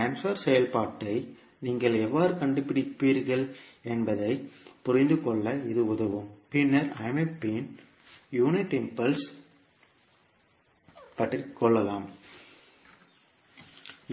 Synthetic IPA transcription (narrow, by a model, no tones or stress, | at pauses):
aːnsɐɾsɛjɐlpaːʈːɐɪ | niːŋɡɐɭɛʋːaːɾɯkɐɳɖɯpːɪɽɪpːiːɾɣɐɭɛnbɐðɐɪpʊɾɪnd̪ɯkɔɭːɐɪðɯʊðɐʋɯmpɪnːɐɾɐɪmɛpːeːn | juːnɪʈɛmpɐls | pɐʈrɪkːɔɭːɐlaːm